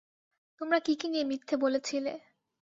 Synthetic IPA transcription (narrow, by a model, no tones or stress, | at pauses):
t̪omɾakikiniemit̪ʰːebolet͡ɕʰile